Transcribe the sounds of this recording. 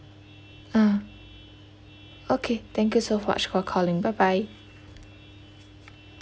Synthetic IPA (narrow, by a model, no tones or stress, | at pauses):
a | okʰeθɛ̃ŋkjusoʊma̰t͡ʃkʰɔkʰɔlɪ̃ŋbaɪbaɪ